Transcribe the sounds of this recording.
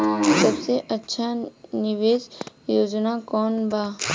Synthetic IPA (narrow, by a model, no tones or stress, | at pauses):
sɐbseʔɐtːʃʰanɪʋeːzjoːd͡ʒnakɔːnbaː